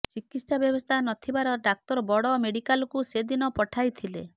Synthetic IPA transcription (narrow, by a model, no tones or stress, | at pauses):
t͡ʃikisabjɔbɔst̪ʰanɔt̪ʰibaɾɔɖak̚t̪ɔɾɔbɔɽɔmeɽikalɔkused̪inɔpɔʈʰajt̪ʰilḛ